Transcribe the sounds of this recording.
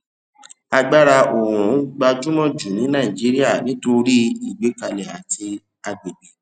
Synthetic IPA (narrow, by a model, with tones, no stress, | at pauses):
a˧ɡ͡ba˦ɾa˧ʔo˨ɾũ˨˦ɡ͡ba˧d͡ʒũ˦mɔ̃˦˨d͡ʒu˨nĩ˨˦nã˦˨ĩ˨d͡ʒi˨˦ɾi˦a˦˨nĩ˨˦to˧ɾi˦i˨ɡ͡be˨˦ka˧lɛ˨a˨ti˧ | a˧ɡ͡be˨ɡ͡be˨